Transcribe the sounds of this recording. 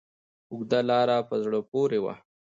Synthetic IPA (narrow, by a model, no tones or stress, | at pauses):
ʊɡd̪alɑɾapəzɽəpoɾewa̰